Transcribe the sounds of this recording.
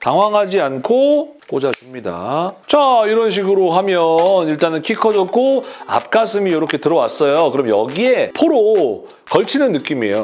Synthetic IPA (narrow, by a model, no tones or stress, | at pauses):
taŋɦwaŋɦad͡ʑiankʰok͈od͡ʑat͡ɕimɲida̰t͡ɕaiɾʌnɕ̬ʰiɡɯɾoɦamjʌniɭt͈anɯnkʰikʰʌd͡ʑʌk̚k͈ʰoa̰p̚k͈as͈ʰɯmijoɾʌkʰe̞tɯɾʌwas͈ʌjokɯɾʌmjʌ̰ɡie̞pʰoɾo | kʌɭt͡ɕʰinɯnːɯk͈ime̞̰jo